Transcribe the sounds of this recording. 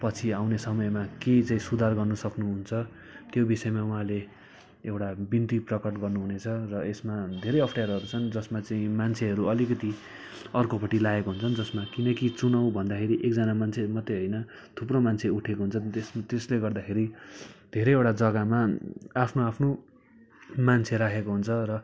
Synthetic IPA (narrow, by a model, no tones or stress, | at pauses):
pʌt͡sʰiawnesʌmʌemaket͡saĩsud̪ʱarɡʌrnʌsʌknuɦunt͡sʰʌ | t̪jobisʌemauɦãle | ewʈabint̪iprʌkʌʈɡʌrnuɦunet͡sʰʌrʌesmad̪ʱeɾʌjʌpʰʈajaɾɦʌɾut͡sʰʌnd͡zʌsmat͡saĩmant͡sʰeɦʌɾuʌlikʌt̪i | ʌrkopʌʈilaekoɦunt͡sʰʌnd͡zʌsmakinʌkit͡sunʌwbʱʌnd̪akʰeɾiʔek̚d͡zʌnamant͡sʰemʌt̪ːeɦʌjnʌ | t̪ʰupromant͡sʰeuʈʰekoɦunt͡sʰʌesmt̪esleɡʌrd̪akʰeɾid̪ʱeɾʌjewʈad͡zʌɡamaapʰnoapʰno | mant͡sʰeɾakʰekoɦunt͡sʰʌrʌ